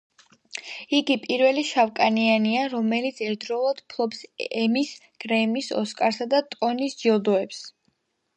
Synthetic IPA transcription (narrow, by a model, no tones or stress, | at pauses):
iɡipʼiɾvɛliʃavkʼanianiaɾɔmɛlit̪sʰɛɾd̪ɾɔlˠad̪̥pʰlˠɔpsɛmis | ɡ̥ɾɛmisɔ̰skʼaɾsad̪at̪ʼɔnisd͡ʒiɔd̪ɔɛps